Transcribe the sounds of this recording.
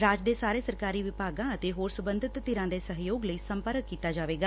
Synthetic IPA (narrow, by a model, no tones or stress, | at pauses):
ɾaːd͡ʒd̪eːsaːɾeːsəɾkaːɾiːʋɪpaːɡãːət̪eːɦoːɾsəbə̃nd̪ʱɪt̪ːɪɾãːd̪eːsəɦjoːɡləiːsəmpəɾəkːiːt̪aːd͡ʒaːʋeːɡaː